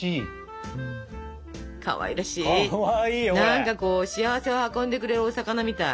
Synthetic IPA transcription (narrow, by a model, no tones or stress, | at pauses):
i | kʰa̰βa̰ḭɾaɕi | iːnãŋkako̞ːɕiaβ̞ase̞βahakõ̞nd̪e̞kɯ̟ɾe̞ɾɯoːsakanamʲit̪a